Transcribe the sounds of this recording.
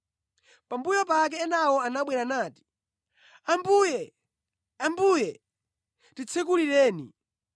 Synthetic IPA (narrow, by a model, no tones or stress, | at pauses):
pambujɔpak̬ɛːnawɔanaɓwɛɾanaːti̥ | ambujɛ | ambujɛ | tit͡sʰɛk̬uliɾɛːnḭ